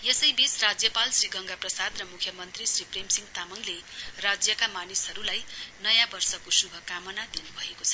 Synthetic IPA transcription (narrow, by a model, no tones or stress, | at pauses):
jesʌjbisrad͡zjʌpalsriɡʌŋɡaprʌsad̪rʌmukʰjʌmʌnt̪risripremsiŋt̪amʌŋlerad͡zjʌkamanisɦʌɾulajnʌjãbʌrsʌkosubʱʌkamʌnad̪inubʱʌekot͡sʰʌ̥